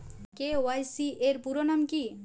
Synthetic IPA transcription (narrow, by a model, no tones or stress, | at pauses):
kewajsiʔeɾpuɾonamki